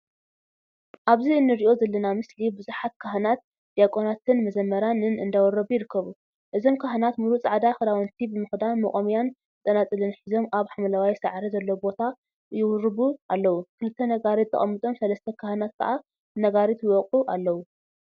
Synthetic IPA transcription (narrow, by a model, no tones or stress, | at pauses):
ʔaβziɨnːɨɾiʔo̞zɐlːɐnamɨslibɨzuħat̪̚kʰaɦnat̪̚ | d̪̥ijakʼo̞nat̪ʰɨnmɐzɐmːɐɾanɨnɨnd̪awɔrɐβujɪɾɨkʰːɐβu | ʔɨzo̞mkʰaɦnat̪muɾut͡sʼaʕd̪axɨd̪awɐnt̪ʰibɨmɨxd̪anmɐχʼomijan | t͡s̪ʼɐnat͡sʼɨlɨnħizo̞mʔaβħamɐlawajsaʕɾizɐlːobo̞t̪ʰa | jɪwurɨβuʔalːɐwukʰɨlɨt̪ʰːɐnɐɡaɾit̪ʰʼːɐ̰χʼɐ̰mːɨt̪ʼo̞msɐlɐst̪ʰɐkʰahɨnat̪̚kʰɐ̰ʔa | nɐɡaɾit̪ɪwɔqʼuʔalːɐwu